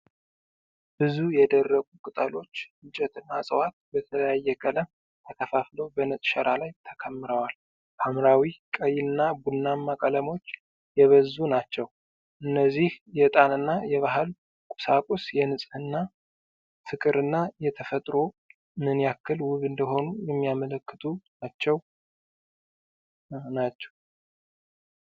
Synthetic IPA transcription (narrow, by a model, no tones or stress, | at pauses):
b̥ɨzujɛd̪ərːəɡukʼɨt̪ʼəlo̞t͡ʃːɨt͡ʃʼːɛt̪ɨnːasʼəwat̪̚bət̪ʰələjajːɛkʼələm | t̪ʰəkʰəfaflo̞bənɨsʼʃɛɾʔalajt̪ʰəkʰəmːɨɾəwal | ʔʰamɾawikʼəjɪɨnːabunːamːakʼələmo̞t͡ʃː | jɛβəzːunat͡ʃːɛw | ʔɨnːəzːihjɛt̪ʼanɨnːajɛβaɦɨl | kʼu̥sakʼusjɛnɨsʼhɨnːa | fɨkʼɨɾɨnːajɛt̪ʰəfət̪ʼɾo̞ | mɨnijakːɨlwʊβɨnd̪əɦo̞nujɛmːijamələkːɨt̪ʰʼunat͡ʃːɛw | nat͡ʃːɛ̥w